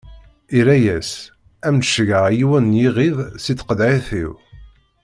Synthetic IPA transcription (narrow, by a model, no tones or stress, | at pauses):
iɾæjæs | æmnʃɣəʁjiwənjiʁiðˤsit͡sːqəd̪ʕiθiw